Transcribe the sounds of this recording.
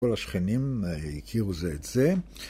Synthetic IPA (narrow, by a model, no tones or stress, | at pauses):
olaʃχenimikʰiʁuzeetz̥e